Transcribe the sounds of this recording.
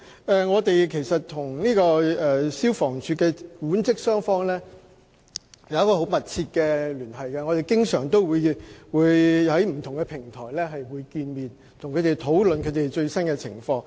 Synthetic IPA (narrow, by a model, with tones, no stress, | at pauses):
ɛ˨˧ŋɔː˨˧t̪e˨jkʰe˨˩jsɐ˨t̚t̪ʰʊ˨˩ŋniː˥kɔː˧ɛː˧si˥wfɔː˨˩ŋt͡ʃʰyː˧kːɛː˧kuː˨˥nt͡sɪ˥k̚sœː˥ŋfɔː˥ŋlɛː˥ | jɐ˨˧wɐ˥kɔː˧ho˨˥wmɐ˨t̚t͡sʰi˧t̚kɛ˧lyː˨˩nɦɐ˨jkɐ˧ŋɔː˨˧t̪e˨jkɪ˥ŋsœː˨˩ŋt̪o˥wwuː˨˧jwuː˨˧˥jːhɐ˨˥jm̩˨˩t̪ʰʊ˨˩ŋkɛ˧pʰɪ˨˩ŋt̪ʰɔː˨˩jlɛː˥ɦɐ˨jwuː˨˧jkiː˧nmiː˨n | t̪ʰʊ˨˩ŋkʰɵ˨˧˥t̪e˨jt̪ʰo˨˥wlɵ˨nkʰɵ˨˧˥t̪e˨˩jt͡ʃɵ˧ɥsɐ˥nkɛː˧t͡sʰɪ̰˨˩ŋfɔː˧˥ŋ